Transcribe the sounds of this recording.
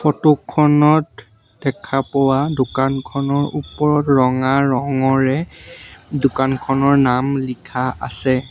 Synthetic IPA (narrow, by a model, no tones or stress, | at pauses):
fɔtukʰːɔnɔt | dɛkʰapɔwadʊkankʰɔnɔɹupɔɹɔtɹɔŋaɹɔŋɔɹɛ | dʊkankʰɔnɔɹnamlikʰaa̰sɛ